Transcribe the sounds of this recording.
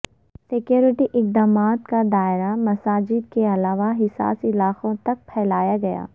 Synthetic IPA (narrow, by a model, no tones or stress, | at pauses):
sɪkjoːɾɪʈiʔɪqd̪aːmaːt̪kad̪aːɪɾamɐsaːd͡ʒɪd̪̚keɐlaːʋaɦɪsa̰ːsɪlaːqõt̪ɐk̚pʰɛːlaːjaɡɐja̰ː